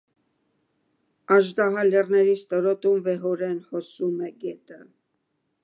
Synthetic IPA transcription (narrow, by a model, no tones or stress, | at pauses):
ɑʒd̪ɑɦɑlɛrnɛɾist̪ɔɾɔt̪umvɛɦɔɾɛnhɔsumɛɡɛt̪ə